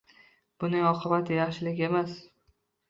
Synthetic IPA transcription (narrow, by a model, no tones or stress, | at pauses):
b̥ʊnɪŋɒqʰɨbat̪ʰɪjɑχʃɪlɪkʲe̞mas